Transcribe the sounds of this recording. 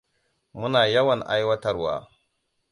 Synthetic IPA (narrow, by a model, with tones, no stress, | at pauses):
mu˦naː˨jɐ˦wa˨nʔa̰˦jwɐ˦ta˦˨ɾwa̰ː˨